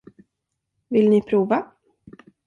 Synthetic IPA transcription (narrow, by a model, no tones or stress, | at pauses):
vɪlnɪpʰɾuːva